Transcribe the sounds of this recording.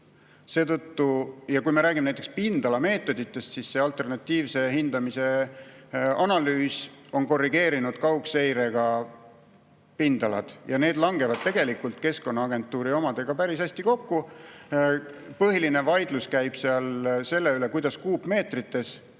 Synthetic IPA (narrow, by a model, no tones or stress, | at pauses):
se̞ːt̪ɤt̪ːujɑkujmeɾæːɡ̥ʲimnæjt̪ːˑekspind̪̥ɑlɑme̞ːt̪ːˑo̞d̪̥it̪ːe̞st̪sisse̞ɑlt̪ˑe̞rnɑt̪ʲːiːvse̞ɦind̪ɑmise̞ | ɑnɑlyːso̞nko̞rːiɡe̞ːɾinud̪̥kɑwkse̞jɾe̞ɡ̥ɑ | pind̪̥ɑlɑ̰d̪̥jɑne̞ːd̪̥lɑŋɡe̞vɑd̪̥̚t̪e̞ɡ̥e̞likːult̪ke̞sko̞nːɑɑɡe̞nt̪ːˑuːɾio̞mɑd̪̥e̞ɡ̥ɑpæɾisæsʲt̪iko̞kːu | pɤɦiline̞vɑjd̪̥luskæjb̥seɑlse̞lːe̞ylekujd̪̥ɑskuːbme̞ːt̪rit̪ːe̞s